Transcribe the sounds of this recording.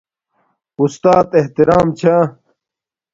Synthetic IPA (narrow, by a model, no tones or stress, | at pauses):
ust̪aːt̪eht̪iɾaːmt͡ɕʰa